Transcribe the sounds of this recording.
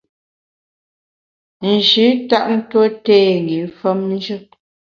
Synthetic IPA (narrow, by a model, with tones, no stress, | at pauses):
n̩˨d͡ʒʉ˨˦ta˦ʔn̩˦two˦tɛː˦˨ŋ˨ɡi˨lfə˦mn˦d͡ʒə˦